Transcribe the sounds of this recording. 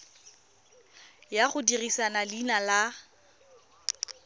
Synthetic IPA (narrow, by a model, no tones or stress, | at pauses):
jaχʊdirisanalinala